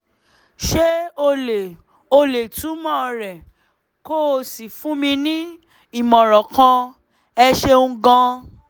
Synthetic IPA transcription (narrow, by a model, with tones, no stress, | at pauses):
ʃe˦o˧le˨ | o˧le˨tũ˨˦mɔ̃˦˧ɾɛ˨ | ko˦˨si˨fũ˨˦mĩ˧nĩ˦ | i˦˨mɔ̃˨ɾɔ̃˨kã˧ | ɛ˧ʃe˧ũ˧ɡã˧